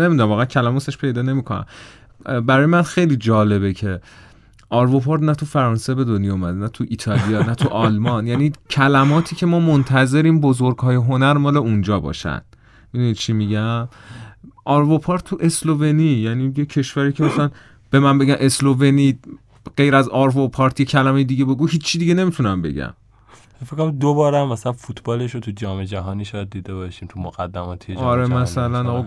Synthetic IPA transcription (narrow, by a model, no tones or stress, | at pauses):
ne̞mid̪unæmvɒːɣæncʰælæmɒːt̪ʰeʃpʰe̞jd̪ɒːne̞miːkʰo̞næ̰m | bæɾɒːjemænxe̞jliːd͡ʒɒːle̞βecʰe̞ | ʔɒɾvopʰɑːɾd̪næt̪ʰufæɾɒːnse̞be̞d̪onjɑumæd̪enæt̪ʰuʔit̪ʰɒlijɒnæt̪ʰuʔɒlmɒnjæniːcʰælæmɒːt̪ʰiːcʰe̞mɒːmont̪ʰæze̞ɾiːmbozo̞ɾɡɦɒːjeɦo̞næɾmɒːle̞und͡ʒɒːbɒ̰ːʃæ̰nd̪̥ | mid̪unit̪̚t͡ʃʰimiɟæm | ʔɒɾvopʰɒːɾt̪t̪ʰːuʔe̞slove̞nijæniːjecʰe̞ʃvæɾiːcʰe̞mæsælæn | b̥e̞mæmbe̞ɟæmʔe̞slove̞ni | ɢejɾæzɒɾvopʰɒːɾt̪ʰje̞cʰælæme̞jed̪iɟe̞be̞ɡuːɦiːt͡ʃʰːid̪iɟene̞mit̪ʰunæmbe̞̰ɟæ̰m | fekːoɾd̪obɒːɾæmːæsælænfut̪ʰbɒːleʃot̪ʰud͡ʒɒːmed͡ʒæɦɒːniːʃɒːjæd̪̚ːiːd̪ebɒːʃiːmt̪ʰumoɣæd̪ːæmɒːt̪ʰieɒɾemmæsælænɒɣ